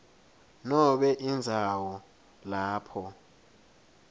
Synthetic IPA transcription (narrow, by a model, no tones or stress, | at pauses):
nɔɓɛʔind͡zʱawɔ | laːpʰɔ